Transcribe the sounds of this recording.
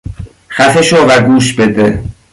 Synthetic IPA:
xæfeʃovæɡuːʃbed̪e

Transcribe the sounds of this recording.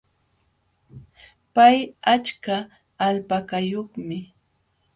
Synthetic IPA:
pajat͡ʃkaː | lpakajoχmɪ

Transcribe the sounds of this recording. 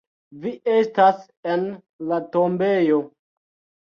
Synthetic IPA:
viʔestas | en | latombe̞jo̞

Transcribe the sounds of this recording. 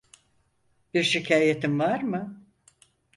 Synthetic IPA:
b̥iɾʃicʰaːjet̪ʰimvaɾmɯ

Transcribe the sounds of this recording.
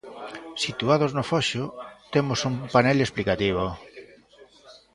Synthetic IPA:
sit̪uað̞oznofɔʃʊt̪emosumpanɛlesplikat̪iβ̞o

